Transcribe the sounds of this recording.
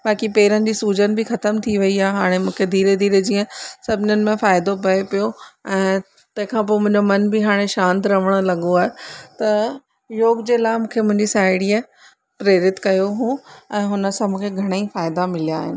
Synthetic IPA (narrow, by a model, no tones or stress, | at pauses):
baːkipeːɾənɪ̆d͡ʑiːsuːd͡ʑənɪ̆bʱɪxɐt̪əmt̪ʰiʋɐiaːɦeɦaːɽ̃emũːkʰed̪ʱiːɾed̪ʱiːɾed͡ʑiːə̃sɐbʱɪnənɪ̆mẽfaːɪd̪opɐepijoɛ̃ː | t̪ɐ̃ɦɪ̃kʰãːpoːmʊ̃ɦɪ̃ɲd͡ʑomɐnbɪɦaːɽ̃eʃãːnt̪ɾɐʋ̤əɽ̃lɐɠoaːɦet̪ɐ | joːɡd͡ʑeːlaːɪmũːkʰemʊ̃ɦɪ̃ɲd͡ʑisaːɪɽiːə | pɾeːɾɪt̪kɐjoɦũːɛ̃ːɦʊnə̆sãmũːkʰeɡʱɐɽ̃əifaːɪd̪amɪlijaːɦɪ̰nɪ